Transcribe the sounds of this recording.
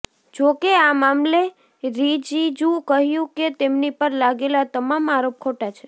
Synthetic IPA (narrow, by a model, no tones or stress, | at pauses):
d͡ʒokeamamle | ɾid͡ʒid͡ʒũkəɦjũket̪emnipəɾlaɡelat̪əmamaɾop̚kʰoʈat͡ʃʰe